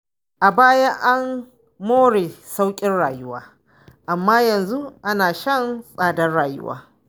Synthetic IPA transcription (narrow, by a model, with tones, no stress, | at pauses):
ʔa˨baː˦ja˦ʔa˦mː | oː˦ɽeː˨sa˦wkʲʼɪ˦nɽaː˨jʊ˦wa̰ː˦ | ʔa˨mːaː˦jɐ˨nzu˦ʔa˦naː˨ʃɐ˦nsʼaː˨dɐ˦nɽaː˨jʊ̰˦wa̰ː˦